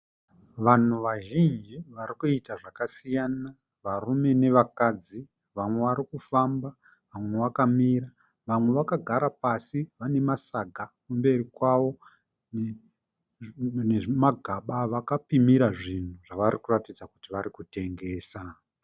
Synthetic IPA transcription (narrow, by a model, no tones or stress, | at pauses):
ʋan̤uʋaʒind͡ʒiʋaɾikuitaʐakasijana | ʋarume̞ne̞ʋakad͡zi | ʋamwe̞ʋaɾikufamba | ʋamwe̞ʋakamiɾa | ʋamwe̞ʋakaɡʱaɾapasiʋane̞masaɡʱakumbe̞rikwaʋo̞ | n | neʐmaɡʱaɓaʋakapimiɾaʐin̤uʐaʋaɾikuratid͡zakutiʋaɾikute̞ŋɡe̞ːsa